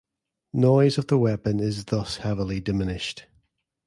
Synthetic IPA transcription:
nɔɪzəvðəwɛpə̃nɪzðʌshɛvəlɪdɪmɪnɪʃt

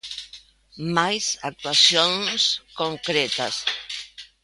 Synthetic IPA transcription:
majsak̚t̪uasjonskoŋkɾɛt̪as

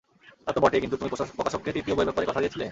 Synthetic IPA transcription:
t̪at̪obaʈiekint̪ut̪umipopɾokaʃokːed̪ɾit̪ioboebɛpaɾekɔt̪ʰad̪iet͡ɕʰile

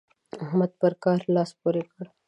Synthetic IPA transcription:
ɐɦməd̪̚pɐɾkaːɾlaːspuɾekɐɽ

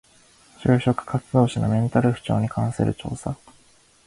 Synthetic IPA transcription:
t͡ɕɨːɕo̞kɯ̟̥kat͡sɨd̪o̞ːɕano̰mʲẽ̞nt̪aɾɯ̟ɸɯ̟̥t͡ɕo̞̰ːɲ̟ikʰãɰ̃sɨɾʔɯ̟̰t͡ɕo̞̰ːsa

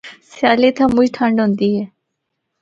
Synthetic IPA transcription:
sjaːliːt̪ʰãːmʊd͡ʒʈʰəɳɖɦʊ̃nd̪iːɦɛː

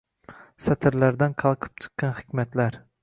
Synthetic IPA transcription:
sɛt̪ʰɪɾlæɾd̪ænqʰɑlˠqʰɨ̥p̚t͡ʃʰɨ̥qːɑnχɨ̥kʲmɛt̪læɾ

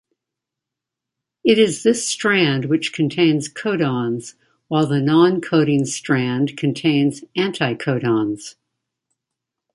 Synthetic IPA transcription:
ɨɾɪzðɪstɹ̥æ̃nd̚wɨt͡ʃkʰɨ̃n̩tʰẽɪ̃nz̥kʰoʊɾɑ̃nz̥ | waɪlˠðɨnɑ̃nkʰoʊɾɪ̃ŋstɹ̥æ̃ndkʰɨ̃n̩tʰẽɪ̃nzæ̃ntʰaɪkʰoʊɾɑ̃nz̥

